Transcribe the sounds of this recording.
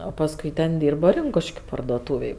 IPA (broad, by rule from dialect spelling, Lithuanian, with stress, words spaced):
oː pɐsˈkʊɪ tʲɛn ˈdʲiːrbɐ ˈrʲɪŋkʊʃʲkʲʊ pɐrdoːˈtuːʋʲeːj